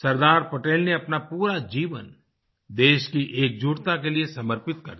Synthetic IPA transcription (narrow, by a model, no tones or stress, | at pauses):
sɐɾd̪aːɾpɐʈeːlneɐpnapuːɾad͡ʒiːʋə̰n | d̪eːʃkiʔeːk̚d͡ʒuːʈt̪akeliesɐməɾpɪt̪̚kɐ̰ɾd̪i